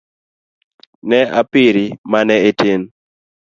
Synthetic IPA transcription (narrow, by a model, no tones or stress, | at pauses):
nɛa̰piɾimanɛeten